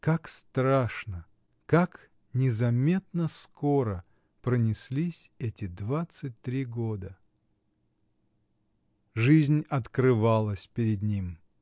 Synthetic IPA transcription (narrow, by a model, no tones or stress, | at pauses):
kakst̪ɾaʂnə | kak | nʲɪzɐmʲe̞t̪nəsko̞ɾə | pɾənʲɪsʲlʲisʲɛtʲɪd̪vat̪sɨt̚ʲt̪ɾʲiɡod̪ə | ʐɨzʲnʲɐt̪kɾɨvalˠəsʲpʲɪɾʲɪd̪nʲim